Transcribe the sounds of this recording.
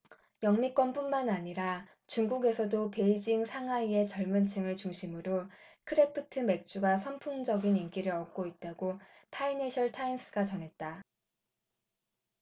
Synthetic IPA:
jʌŋmik͈wʌnp͈unmanaɲiɾa | t͡ɕuŋɡuɡe̞sʰʌdope̞id͡ʑiŋsʰaŋɦaie̞t͡ɕʌɭmɯnt͡ɕʰɯŋɯɭt͡ɕuŋɕʰimɯɾokʰɯɾepʰɯtʰɯme̞k̚t͡ɕ͈uɡasʰʌmpʰund͡ʑʌɡinink͈iɾɯɾʌk̚k͈oit̚t͈aɡo | pʰaineɕʰʌɭtʰains͈ʰɯ̥ɡat͡ɕʌnɦe̞t̚t͈a

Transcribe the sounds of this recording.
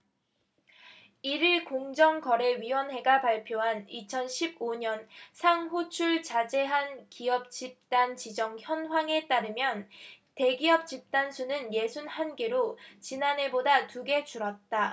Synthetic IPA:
iɾiɭkoŋd͡ʑʌŋkʌɾe̞ɥiwʌnɦe̞ɡapaɭpʰjoɦanit͡ɕʰʌnɕʰib̚oɲʌnsʰaŋɦut͡ɕʰuɭt͡ɕad͡ʑe̞ɦankiʌp̚t͡ɕip̚t͈ant͡ɕid͡ʑʌŋçjʌnɦwaŋe̞t͈aɾɯmjʌn | te̞ɡiʌp̚t͡ɕip̚t͈ansʰunɯnje̞sʰunhanɡe̞ɾot͡ɕinane̞bodatuɡe̞t͡ɕuɾʌt̚t͈a

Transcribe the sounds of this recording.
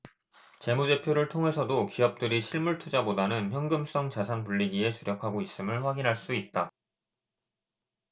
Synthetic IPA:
t͡ɕe̞mud͡ʑe̞pʰjoɾɯɭtʰoŋɦe̞sʰʌdokiʌp̚t͈ɯɾiɕʰiɭmuɭtʰud͡ʑabodanɯnçjʌŋɡɯms͈ʌŋt͡ɕasʰanpuʎːiɡie̞t͡ɕuɾjʌkʰaɡois͈ɯmɯɭɸwaɡinɦaɭs͈uit̚t͈a

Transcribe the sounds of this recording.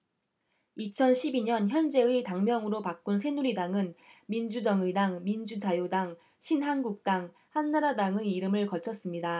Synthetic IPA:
it͡ɕʰʌnɕʰibiɲʌnçjʌnd͡ʑe̞ɯɯitaŋmjʌŋɯɾopak͈̚unsʰe̞nuɾidaŋɯnmind͡ʑud͡ʑʌŋɯdaŋmind͡ʑud͡ʑajodaŋ | ɕʰinɦanɡuk̚t͈aŋ | hanːaɾadaŋeiɾɯmɯɭkʌt͡ɕʰʌs͈ɯmɲida

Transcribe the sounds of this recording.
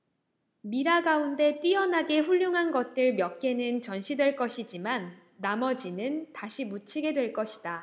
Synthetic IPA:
miɾaɡaunde̞t͈ɥiʌnɦaɡe̞ɸuʎːuŋɦanɡʌt̚t͈ɯɭmjʌk̚k͈e̞nɯnt͡ɕʌnɕʰidwe̞ɭk͈ʌɕʰid͡ʑimanː | amʌd͡ʑinɯntaɕʰimut͡ɕʰiɡe̞dwe̞ɭk͈ʌɕʰi̥da

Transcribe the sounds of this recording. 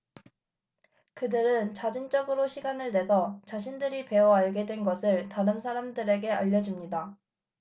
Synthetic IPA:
kɯdɯɾɯnt͡ɕad͡ʑint͡ɕ͈ʌɡɯɾoɕʰiɡanɯɭde̞sʰʌt͡ɕaɕ̬ʰindɯɾipe̞wʌaɭɡe̞dwe̞nɡʌsʰɯɭtaɾɯmsʰaɾamdɯɾe̞ɡe̞aʎːʌd͡ʑumɲida

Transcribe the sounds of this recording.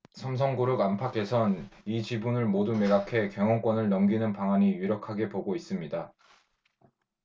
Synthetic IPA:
sʰʌms̬ʰʌŋɡuɾɯɡampʰakʰe̞sʰʌnit͡ɕibunɯɭmodumeɡakʰe̞keŋwʌnk͈wʌnɯɭnʌmɡinɯnpaŋaɲijuɾjʌkʰaɡe̞poɡois͈ɯmɲida

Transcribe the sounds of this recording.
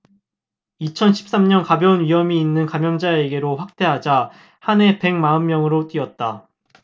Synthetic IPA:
it͡ɕʰʌnɕʰi̥p̚s͈amɲʌnkabjʌnɥiɦʌmiːnːɯnkamjʌnd͡ʑae̞ɡe̞ɾoɸwak̚t͈e̞ɦad͡ʑa | hane̞pe̞ŋmaɯnmːjʌŋɯɾot͈ɥiʌt̚t͈a

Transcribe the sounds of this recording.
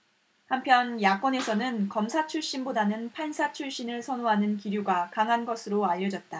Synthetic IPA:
hampʰjʌnjak͈̚wʌne̞sʰʌnɯnkʌmsʰat͡ɕʰuɭɕ͈inbodanɯnpʰansʰat͡ɕʰuɭɕ͈inɯɭsʰʌnoɦanɯnkiɾjuɡakaŋɦanɡʌsʰɯɾoaʎːʌd͡ʑʌt̚t͈a

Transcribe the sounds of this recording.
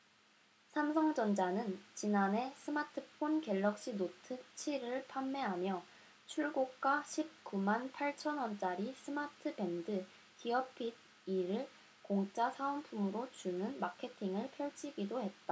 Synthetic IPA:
sʰamsʰʌŋd͡ʑʌnd͡ʑanɯnt͡ɕinane̞sʰɯmatʰɯpʰonke̞ɭːʌk̚ɕ͈inotʰɯt͡ɕʰiɾɯɭpʰamːe̞ɦamjʌ | t͡ɕʰuɭɡok̚k͈aɕʰip̚k͈umanpʰaɭt͡ɕʰʌnwʌnt͡ɕ͈aɾisʰɯmatʰɯbe̞ndɯ | tʰiʌpʰid̚ | iɾɯɭ | koŋt͡ɕ͈asʰaonpʰumɯɾot͡ɕunɯnmakʰe̞tʰiŋɯɭpʰjʌɭt͡ɕʰiɡidoɦe̞t̚t͈a

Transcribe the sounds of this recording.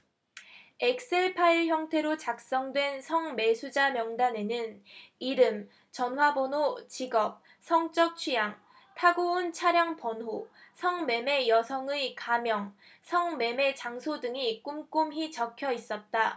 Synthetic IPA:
ek̚s͈e̞ɭpʰaiɭçjʌŋtʰe̞ɾot͡ɕak̚s͈ʌŋdwe̞nsʰʌŋme̞sʰud͡ʑamjʌŋdane̞nɯniɾɯm | t͡ɕʌnɦwabʌnot͡ɕiɡʌp̚ | sʰʌŋt͡ɕ͈ʌk̚t͡ɕʰɥijaŋ | tʰaɡount͡ɕʰaɾjaŋpʌnɦosʰʌŋme̞me̞jʌsʰʌŋɯikamjʌŋ | sʰʌŋme̞me̞t͡ɕaŋsʰodɯŋik͈umk͈umɦit͡ɕʌkʰjʌis͈ʌt̚t͈a

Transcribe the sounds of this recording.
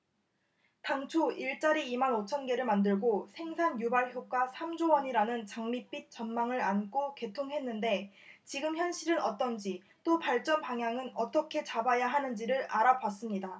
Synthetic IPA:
taŋt͡ɕʰoiɭt͡ɕ͈aɾiːmanot͡ɕʰʌnɡe̞ɾɯɭmandɯɭɡosʰe̞ŋsʰanjubaɭçjok͈asʰamd͡ʑowʌɲiɾanɯnt͡ɕaŋmip͈it̚t͡ɕ͈ʌnmaŋɯɾank͈ʰoke̞tʰoŋɦe̞nːɯnde̞ | t͡ɕiɡɯmçjʌnɕ͈ʰiɾɯnʌt͈ʌnd͡ʑi | t͈opaɭt͡ɕ͈ʌnpaŋɦjaŋɯnʌt͈ʌkʰe̞t͡ɕabajaɦanɯnd͡ʑiɾɯɾaɾawas͈ɯmɲida

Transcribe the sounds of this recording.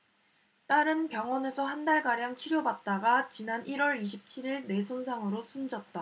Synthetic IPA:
t͈aɾɯnpjʌŋwʌne̞sʰʌhandaɭɡaɾjaŋt͡ɕʰiɾjobat̚t͈aɡat͡ɕinanʔiɾwʌɾiɕ̬ʰip̚t͡ɕʰiɾiɭne̞sʰonsʰaŋɯɾosʰund͡ʑʌt̚t͈a

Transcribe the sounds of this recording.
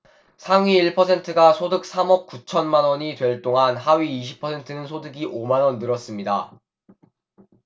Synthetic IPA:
sʰaŋɥiːɭpʰʌsʰe̞ntʰɯɡasʰodɯk̚s͈ʰamʌp̚k͈ut͡ɕʰʌnmanwʌɲitwe̞ɭt͈oŋanɦaɥiːɕ̬ʰi̥pʰʌsʰe̞ntʰɯnɯnsʰodɯɡiʔomanwʌnːɯɾʌs͈ɯmɲida̰

